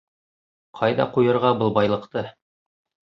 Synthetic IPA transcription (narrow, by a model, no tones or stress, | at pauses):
qʰɑjðɑ̰qujɤ̆ɾʁɑbɤ̆lˠbɑjlˠɤ̆qt̪ɤ